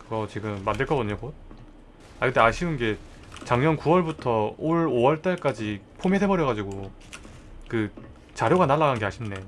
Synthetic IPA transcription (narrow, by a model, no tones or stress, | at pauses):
kɯɡʌt͡ɕiɡɯmːandɯɭk͈ʌɡʌɲokot̚ | aɡɯteaɕʰiunɡe̞ | t͡ɕaŋɲʌnkuwʌɭbutʰʌoɭowʌɭt͈aɭk͈ad͡ʑi | pʰomedʰebʌɾjʌɣad͡ʑiɡo | kɯ | t͡ɕaɾjoɡanaɭːaɡanɡe̞ɦaɕʰinːe̞